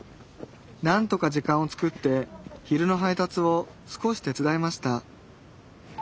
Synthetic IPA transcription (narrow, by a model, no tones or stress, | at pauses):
nãnt̪o̞kad͡ʑikãɰ̃o̞t͡sɨ̥kɯ̟t̪ːe̞çiɾɯ̟no̞ɦait̪at͡sɨo̞ | sɨ̥ko̞ɕi̥t̪e̞t͡sɨd̪aemaɕi̥t̪a